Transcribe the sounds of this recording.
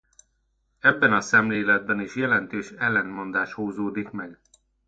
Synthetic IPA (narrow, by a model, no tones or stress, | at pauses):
ɛbːɛnɒsɛmleːlɛd̪̚bɛniʃjɛlɛnt̪øːʃɛlːɛnmo̞nd̪aːʃhoːzoːd̪ikmɛɡ